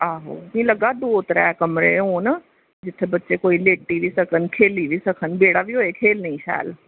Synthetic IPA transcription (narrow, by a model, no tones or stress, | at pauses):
aːɦo̰ːmĩlɐɡad̪oːt̪ɾa̰ːkɐmɾḛoːn | d͡ʑɪt̪ʰebɐtːt͡ʃekoːileːʈʈːiʋisɐkʰənɪ̆kʰeːliʋisɐkʰənɪ̆beːɽaʋijoːɦekʰeːlnɐĩʃa̰ːl